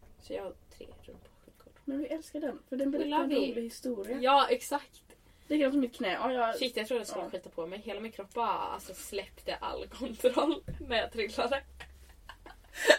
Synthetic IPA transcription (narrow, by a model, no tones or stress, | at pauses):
sɔjɑ̰ːt̪ʰɾḛːɾɵ̰mpʰaɧʉkʰɔlmɛnvɪʔɛlskaɖɛnfœɖɛnbɛɾɾuːmlɪhɪst̪uːɾɪajɑːɛksakt̪ | d̪̥ɛkɛnsmɪt̪̚kʰnɛːʔɔjʃɪt̪ːjat̪ɾuːd̪ɛskɑɧiːt̪apʰɔmɛjɦeːlamɪnkʰɾɔpːbɑɾa̰lsɔslɛpt̪əʔa̰lːkʰɔnt̪ʰɾɔlːnæɾjɑt̪ʰɾɪlːad̪ə